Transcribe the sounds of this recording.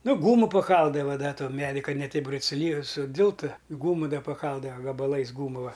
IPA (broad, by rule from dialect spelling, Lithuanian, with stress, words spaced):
ˈnʊ ˈɡuːmʊ pɐˈkɐlˠdɐʋɐ ˈdɐ ˈtoːn ˈmʲæːdʲɪ kɐ nʲɛ ˈtʲɛɪp sʊˈlʲiː sʊˈdʲɪlˠtʊ ˈɡuːmʊ ˈdɐ pɐˈkɐlˠdɐʋɐ ɡɐbɐˈlˠɐɪs ˈɡuːmʊlˠɐ